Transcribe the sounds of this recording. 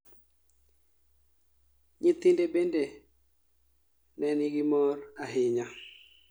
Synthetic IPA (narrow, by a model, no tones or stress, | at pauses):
ɲɪt̪ɪndebende | nɛnɪɡɪmɔraɦɪɲa